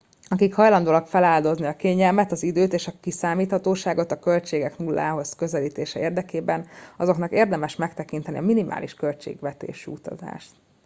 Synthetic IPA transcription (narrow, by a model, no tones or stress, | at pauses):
ɒkikhɒjlɒnd̪oːlɒkfɛlaːld̪o̞zniɒkeːɲɛlmɛt̪ɒzid̪øːt̪eːʃɒkisaːmiːt̪hɒt̪oːʃaːɡo̞t̪ɒkølt͡ʃeːɡɛknulːa̰ːɦo̞zkø̞zɛliːt̪eːʃɛeːrd̪ɛkeːbɛnɒzo̞knɒkeːrd̪ɛmɛʃmɛkt̪ɛkint̪ɛnḭɒminimʔa̰ːlʔiʃkø̞lt͡ʃḛːɡʋɛt̪ḛːʃyut̪ɒ̰za̰ːʃt̪